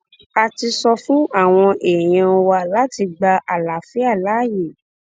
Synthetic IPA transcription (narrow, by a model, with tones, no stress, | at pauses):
a˧ti˧sɔ˧fũ˦a˦˨w̃ɔ̃˧ʔe˨j̃ɛ̃˧ɔ˧wa˧la˦ti˧ɡ͡ba˧ʔa˨la˨fi˨˦a˦˨la˨˦˨je˨